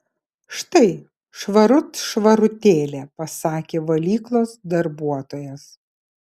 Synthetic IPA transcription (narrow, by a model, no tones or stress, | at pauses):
ʃt̪ɐɪ | ʃʋɐɾʊt̪ʃʋɐɾʊt̪ʲeːlʲeːpɐsɑːkʲeːʋɐlʲiːklˠoːsd̪ɐɾbuɔt̪oːjɛs